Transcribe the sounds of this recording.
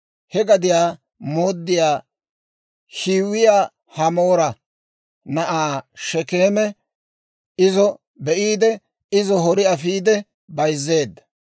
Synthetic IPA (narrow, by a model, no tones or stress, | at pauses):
hɛɡɐd̪ɪjaː | moːd̪ːɪjaː | hiːwɪjaː | hɐmoːɾɐ | nɐʔaːʃɛkeːmɛ | ɪzɔ | bɛʔiːd̪ɛ | ɪzɔɦɔɾɪɐfiːd̪ɛ | bɐjzːe̞ːd̪ːɐ̥